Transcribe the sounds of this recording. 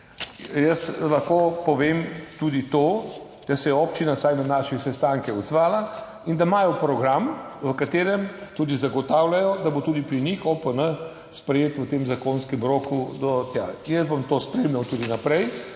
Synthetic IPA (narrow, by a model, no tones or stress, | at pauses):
jəst̪laxkoːpɔʋemt̪ud̪it̪o | d̪̥asɛjɛɔpt͡ʃinasajnanaːʃisɛst̪aŋkɛɔd̪zʋaːla | ind̪amaːjɔpɾɔɡɾamʋəkat̪eːɾɛmt̪uːd̪izaɡɔt̪aːwlajɔd̪abot̪uːd̪ipɾiɲixɔpənə | spɾɛjeːt̪ʋət̪emzakonskɛmɾokud̪ɔt̪ja̰jəzbomt̪oːspɾemlʲawt̪uːd̪inapɾɛj